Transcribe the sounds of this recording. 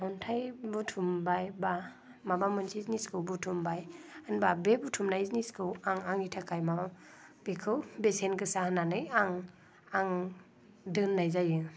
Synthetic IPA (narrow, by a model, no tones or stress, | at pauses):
hɔntʰajbutʰumbajba | mabamɯnsʰizniskʰɯwbutʰumbajanbabebutʰumnaizniskʰɯwaŋaŋitʰakʰajmaba | b̥ekʰɯwbesenɡɯsahnanɯjaŋ | aŋ | dɯnːajzajɯ